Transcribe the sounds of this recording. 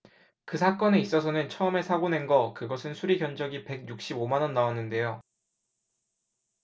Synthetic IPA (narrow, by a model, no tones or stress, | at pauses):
kɯsʰak͈ʌne̞is͈ʌs̬ʰʌnɯnt͡ɕʰʌɯme̞sʰaɡone̞nɡʌkɯɡʌsʰɯnsʰuɾiɡjʌnd͡ʑʌɡipe̞ɡ̚juk̚ɕ͈ibomanʌnːawanːɯnde̞jo